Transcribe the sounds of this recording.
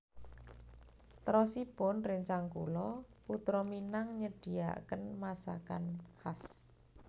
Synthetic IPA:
t̪ɾɔsib̥ɔnrɪŋt͡ʃaŋkṵlɔ | put̪ɾɔminaŋɲəɖ̥i̤a̰ʔkənmasa̰kanhas

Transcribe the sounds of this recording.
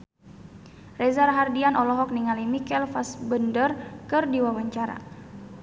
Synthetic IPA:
rɛzarɦardianɔlɔɦɔk̚niŋalimikɛlfasbəndərkɨrdiwawaɲt͡ʃaɾa̰

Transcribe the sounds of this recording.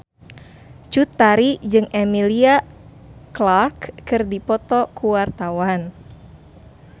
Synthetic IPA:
t͡ʃut̪aɾid͡ʒɨŋʔɛmilia | klarkːɨrdipɔt̪ɔkuwart̪awan

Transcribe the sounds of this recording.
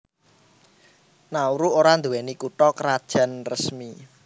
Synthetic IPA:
nauɾuoɾand̪uwɛnikuʈɔkəɾad̥ʒ̥ä̤nrəsmi

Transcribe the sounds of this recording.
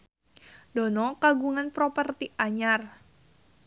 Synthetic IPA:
dɔnɔkaɡuŋanpɾɔpərt̪iʔaɲar

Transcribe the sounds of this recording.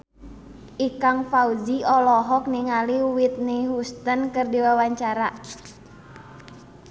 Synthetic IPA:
ʔikaŋfauziɔlɔɦɔk̚niŋaliuwit̪̚niɦust̪ənkərdiwawaɲt͡ʃaɾa

